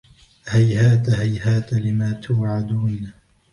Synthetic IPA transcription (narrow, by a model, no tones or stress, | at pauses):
hajhaːt̪aɦajhaːt̪alɪmaːt̪ʰʊːʕad̪uːn